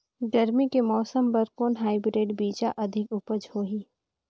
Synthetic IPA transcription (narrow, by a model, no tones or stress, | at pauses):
ɡɐɾmikemɔːsəmbɐɾkoːnɦaːɪbɾeːʈbiːd͡ʒaʔɐd̪ʱɪkʊpəd͡ʒhoːɦiː